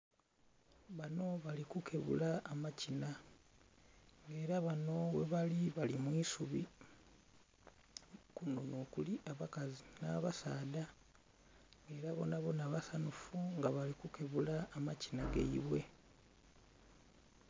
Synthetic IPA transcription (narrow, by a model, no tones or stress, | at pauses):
βano̞βalikukʰe̞βṵlaːmacina | ŋɡe̞ːɾaβano̞weβaliβalimwiːsuβi | kunonoːkuliʔaβakazinaːβasaːda | ŋɡe̞ːɾaβo̞̰naβo̞naβasanufuŋɡaβalikukʰe̞βulaːmacinaɡḛiβwe̞